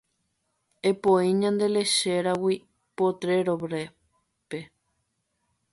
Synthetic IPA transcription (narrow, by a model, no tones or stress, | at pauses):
epoiɲãnd̪e̞le̞ʃeɾawi | pot̪ɾe̞ɾoβɾe | pe